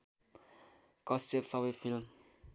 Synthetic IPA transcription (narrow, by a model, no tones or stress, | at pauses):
kʌst̪epsʌβʌjfʰilm